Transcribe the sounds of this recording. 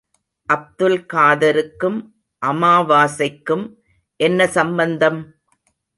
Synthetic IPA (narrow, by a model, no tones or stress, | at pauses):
ʔɐb̚d̪ɯlkaːðɐɾɯkːɯm | ʔɐmaːʋaːsɐɪkːɯm | ʔɛnːɐsɐmbɐnd̪ɐm